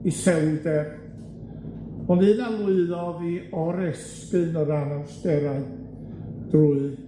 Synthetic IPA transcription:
isɛwdɛr | ɔnɨːnalˠʊɨðɔðiɔɾɛs | kɨnɔɾanasd̥ɛɾaɨ | d̥uːɨ

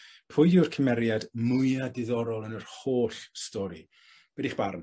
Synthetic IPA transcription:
pʰʊjʊrkʰəmɛɾjadmʊjadɪðɔɾɔlˠənərhoːɬstɔɾi | w̥ɛdiχb̥arn

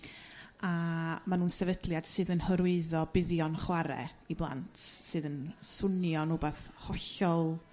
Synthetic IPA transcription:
amanuːnsɛvədlˠjad̥sɨːðənhəɾʊɨðɔbɪðjɔnχwaɾɛ̰ | iblˠa̰ntʰsɨːðənsʊnjɔnubaθhɔɬɔlˠ

